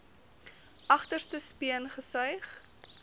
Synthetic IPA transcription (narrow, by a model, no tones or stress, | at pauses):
ʔɐχtərstəspiənχəsœɥχ